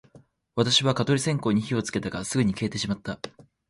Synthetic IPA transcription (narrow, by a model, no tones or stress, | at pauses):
βat̪aɕiβakat̪o̞ɾʲisẽ̞ŋko̞ːɲ̟içio̞t͡sɨ̥ke̞t̪aɡasɨɡɯ̟ɲ̟ike̞ːt̪e̞ɕimat̪ːa